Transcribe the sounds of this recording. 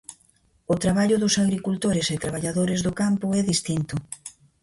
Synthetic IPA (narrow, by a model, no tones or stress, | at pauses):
ʊt̪ɾaβaʎʊðʊsaɣɾikult̪oɾɪsɪt̪ɾaβ̞aʎaðoɾɪzðʊkampʊɛðist̪int̪ʊ